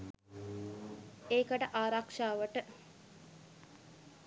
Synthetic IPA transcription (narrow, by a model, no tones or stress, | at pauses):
eːkəʈəʔaːɾakʂaːʋəʈə